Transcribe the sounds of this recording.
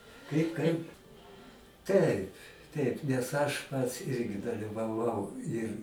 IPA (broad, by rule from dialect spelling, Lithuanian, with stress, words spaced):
ˈkɐɪp ˈkɐɪp ˈtɐɪp ˈtɐɪp nʲɛs ˈɐʃ ˈpɐts ˈɪrʲɡʲɪ dɐlʲɪʋɐˈʋɐʊ ɪr